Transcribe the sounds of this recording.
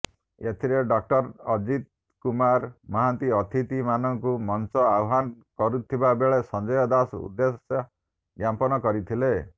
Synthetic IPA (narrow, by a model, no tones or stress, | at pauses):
et̪ʰiɾeɖɔk̚ʈɔɾɔd͡ʒit̪̚ | kumaɾmɔɦant̪iɔt̪ʰit̪imanɔŋkumɔnsɔawɦankɔɾut̪ʰibabeɭesɔnd͡ʒɔjɔd̪asṵd̪ːesɔ | ɡjampɔnɔkɔɾit̪ʰile